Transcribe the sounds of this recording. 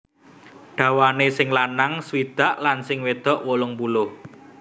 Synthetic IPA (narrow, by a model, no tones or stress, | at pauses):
ɖ̥a̤wanesɪŋlanaŋswid̪̥a̤ʔlansɪŋwed̪̥ɔ̤ʔwolʊŋpulʊh